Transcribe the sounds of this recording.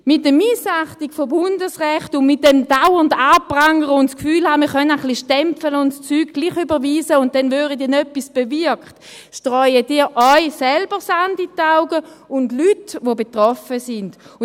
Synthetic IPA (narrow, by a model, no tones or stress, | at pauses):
mɪt̚dəmisaχtikfobʊndəsʁɛχtʊnmɪt̚dɛmdaʊəndaːpʁaŋəʁəʊntskfyːlhaːmiːɐχœnaχliʃtɛmpfələʊntst͡syːɡ̚ɡ̥liːχybəʁʋiːsəʊnt̚d̥ɛnvøːʁədiːɐnœpːisb̥eviɐkχt | ʃtʁɔʏəd̥iːʔɔʏsɛlbəsanditaʊɡəʊndlytʋobetʁɔfəsɪnd̥